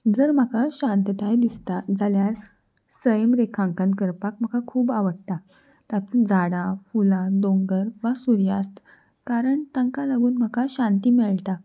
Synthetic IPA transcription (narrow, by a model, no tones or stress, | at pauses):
d͡zəɾm̤əkaɕãnt̪ət̪ajd̪ist̪ad͡zaljaɾ | səjəmɾekʰãŋkənt̪kəɾpak̚m̤əkakʰuːbaʋəɽ̚t̪a | t̪at̪ud͡zaɽafulãd̪õŋɡəɾʋasuɾjast̪ | kaɾəɳt̪aŋkalaɡuːnm̤əkaɕant̪iːmeɭt̪a